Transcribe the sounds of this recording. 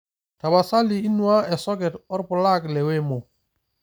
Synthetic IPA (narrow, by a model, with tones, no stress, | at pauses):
ta˨ba˨sa˦li˨i˦nwa˦ɛ˨sɔ˦ɡɛ˨tɔ˦ɾpʊ˨la˦klɛ˨wɛ˦mɔ˨